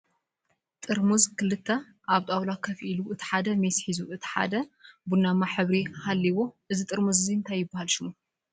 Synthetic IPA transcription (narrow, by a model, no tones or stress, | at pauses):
t̪ʼɨɾmuzkʰɨlɨt̪ʰːɐ | ʔaβt̪ʼawlakʰɐfʔiluʔɨt̪ʰi̥ħad̪ɐmesħizuɨt̪ʰi̥ħa̰d̪ɐbunamaħɨβɾihalːiβo̞ʔɨzit̪ʼɨɾmuzɨzint̪ʰajːɪbːahalʃɪmu